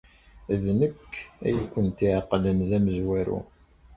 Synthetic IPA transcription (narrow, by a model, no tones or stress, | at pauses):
ðnəkːæ̰jækʷːənt̪iʕaqːlənðæməzwæɾṵ